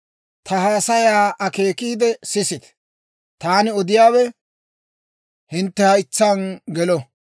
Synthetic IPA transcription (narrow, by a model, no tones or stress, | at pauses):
t̪ʰɐɦaːsɐjaːʔɐke̞ːkiːd̪ɛsɪsɪt̪ | t̪aːnɪɔd̪ɪjaːwɛ | hɪnt̪ːɛhɐjt͡sːɐnɡɛlɔ